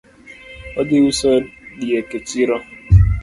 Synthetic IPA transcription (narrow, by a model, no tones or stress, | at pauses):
ɔdɪusedieket͡ʃiɾɔ